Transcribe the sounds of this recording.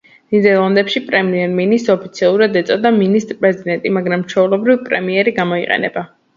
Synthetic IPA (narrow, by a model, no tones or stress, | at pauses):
nid̪ɛɾlˠand̪ɛpʃipʼɾɛmiɛɾminist̪ɔpʰit̪sʰialˠuɾad̪ɛt̪sʼɔd̪aminist̪ʼɾpʼɾɛzid̪ɛnt̪ʼimaɡɾamt͡ʃʰɔulɛbɾivpʼɾɛ̰miɛɾiɡamɔiqʼɛ̰nɛ̰ba